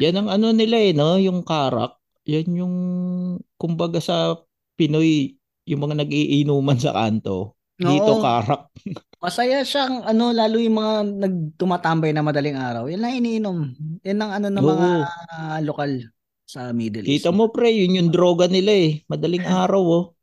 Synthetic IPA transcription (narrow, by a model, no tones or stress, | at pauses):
janɐŋɐno̞nɪlaɛno̞jʊŋkaːɾa̰k̚ | janjʊŋ | kʊmbɐɡasɐ | pɪno̞j | jʊŋmɐŋanɐɡ̚ʔiːʔɪnuːmɐnsɐ̰ka̰nt̪o̞̰ | d̪iːʔt̪okaːɾɐk̚ | mɐsɐjaʃaŋʔɐno̞laːlʊjʊŋmɐŋanɐɡ̚t̪ʊmaːt̪ambɐjnɐmɐd̪ɐliŋaːɾɐwjɐnːɐŋɪniːʔɪnomjɐnːɐŋɐno̞nɐoɐːŋʔaolokal | sɐmiːd̪ɛlkiːt̪ɐmo̞pɾɛjʊnjʊŋd̪ɾo̞ːɡɐnɪlaɛmɐd̪ɐlɪŋʔaːɾɐwo